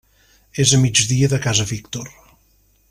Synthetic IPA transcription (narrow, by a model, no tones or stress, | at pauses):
ezəmid͡ʒðiəðəkazəβikt̪or